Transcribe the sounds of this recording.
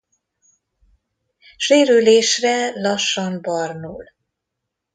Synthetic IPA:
ʃeːɾyleːʃrɛlɒʃːɒmbɒrnṵːl

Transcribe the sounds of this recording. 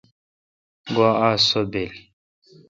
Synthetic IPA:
ɡaasɔbɛli

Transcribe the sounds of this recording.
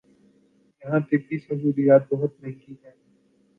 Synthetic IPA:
jɐɦãt̪ebiːsɐbuːd̪ijaːt̪̚bɐɦʊt̪̚nɐɦɪ̃ɡiɦɛː

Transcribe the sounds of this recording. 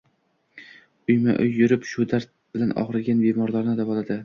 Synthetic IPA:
ʊjma̰ʔʊjːʊɾɪpʃʊd̪aɾt̪̚bɪlanɒ̰ʁɾɪɡʲanbemɒɾlˠaɾnɪd̪avɒlad̪ɪ

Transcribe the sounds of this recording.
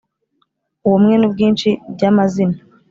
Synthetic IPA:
uwomŋenubɡiːnʃibɟamazina

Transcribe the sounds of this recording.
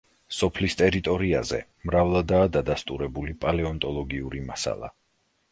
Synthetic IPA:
sɔpʰlist̪ʼɛɾit̪ʼɔɾia̰zɛ̰ | mɾavlˠad̪aːd̪ad̪ast̪ʼuɾɛbulipʼalɛɔnt̪ʼɔlˠɔɡiuɾimasa̰lˠa̰

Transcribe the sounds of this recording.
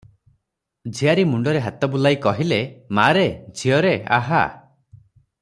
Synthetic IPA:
d͡ʒʱiaɾimuɳɖɔɾeɦat̪ɔbulajkɔɦilemaɾed͡ʒʱiɔɾea̰ɦa̰

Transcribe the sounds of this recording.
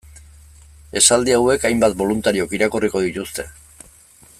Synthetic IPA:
e̞sald̪iawe̞kajmbat̪̚bo̞lunt̪aɾiokiɾakoriko̞ðit̪ust̪e̞

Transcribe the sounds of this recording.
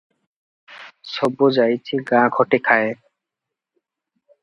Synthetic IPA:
sɔbːod͡ʑajt͡ɕʰiɡãɡʰʱɔʈekʰae

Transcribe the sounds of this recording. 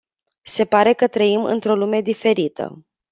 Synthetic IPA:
se̞paɾe̞kət̪ɾəimɨ̰nt̪ɾo̞lume̞d̪ife̞ɾit̪ʰə̰

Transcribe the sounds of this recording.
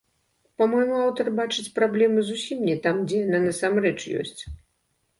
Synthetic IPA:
pamɔjmuawt̪ɐrbat͡ʂɨt͡sʲpɾablʲɛmɨzusʲimnʲɛt̪amd͡zʲɛjananɐsamrɛt͡ʂjɔ̰sʲt͡sʲ

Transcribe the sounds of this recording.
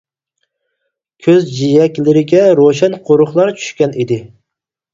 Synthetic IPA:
kʲʰøzd͡ʒijɛkʲlɪɾɪɡʲɛɾoʃɛnqʰoɾʊχlˠɑɾt͡ʃʰy̥ʃkʲɛnid̪ɪ

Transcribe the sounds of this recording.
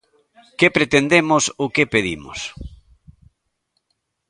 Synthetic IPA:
kepɾet̪end̪emosʊkepeðḭmo̰s

